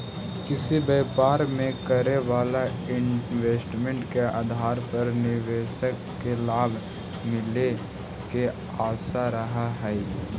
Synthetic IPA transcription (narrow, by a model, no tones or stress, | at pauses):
kɪsibeːpaːɾmẽkəɾeʋaːlaɪnweːsʈmẽɳʈkea̰ːd̪ʱaːɾpɐɾnɪʋeːʃəkːelaːbʱ | mɪle | ke | aːsaɾɐɦaɦɛ